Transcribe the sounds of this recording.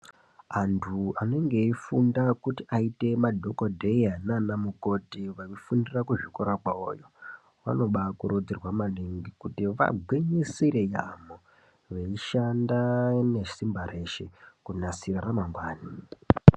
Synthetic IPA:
antʰuane̞ŋɡe̞ifundakutiʔaite̞madʱo̞kodʱe̞jananamuko̞tiʋaʋifundirakuʐikoɾakwao̰jo | ʋa̰no̞ɓakuɾod͡zirwamaliŋɡikutiʋa̰ɡʱweɲisiɾe̞ja̰mo | ʋeiʃandane̞simbaɾe̞ʃekunasiraramaŋɡwaːni

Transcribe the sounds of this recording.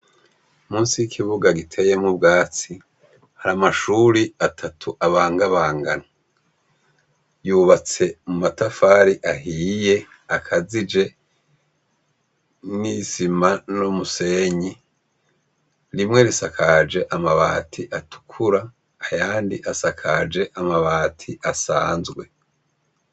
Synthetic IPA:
muːnsiikʰiβuɡaɡitʰe̞je̞mŋubɡaːt͡si | haɾamaʃuɾiatʰatʰuʔaβaːŋɡaβaːŋɡana | juːβat͡se̞mumatafaːɾiʔaɦiːje̞ | akʰazid͡ʒe̞ | nisimanomuse̞ɲi | ɾimŋe̞ɾisakʰad͡ʒe̞ʔamaβaːtʰiʔatʰu̥kʰuɾaː | jaːndiʔasakʰad͡ʒe̞ʔamaβaːtʰiʔasa̰ːnzɡwe̞

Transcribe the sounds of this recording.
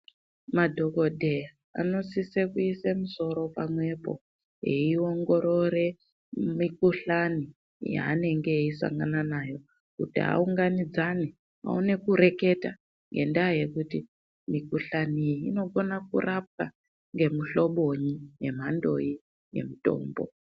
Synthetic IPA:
madʱo̞ko̞dʱeja | a̰no̞sisekuisemuso̞ɾo̞pamwe̞po̞̰ | jeio̞ŋɡo̞ɾo̞ɾe̞ | mikuɬani | ja̰ːne̞ŋɡe̞isa̰ŋɡananajo̞ | kutiɦa̰uŋɡanid͡zane | a̰une̞kuɾe̞ke̞ta̰ | ŋɡe̞ndaje̞kuti | mikuɬaniino̞ɡonakṵrap̚ka | ŋɡe̞muɬo̞ɓo̞ɲije̞m̤ando̞̰i | je̞̰muto̞̰ːmbo̞̰

